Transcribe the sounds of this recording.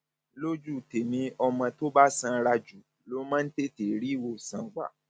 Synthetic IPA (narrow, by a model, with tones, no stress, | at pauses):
lo˦d͡ʒu˦˨te˨mĩ˨˧˦ɔ˧mã˧to˦ba˦sã˧ɾa˧d͡ʒu˨ | lo˨˦mã˦n̩˦te˦˨te˨˦ɾi˦˨wo˧˨sã˨ɡ͡ba̰˨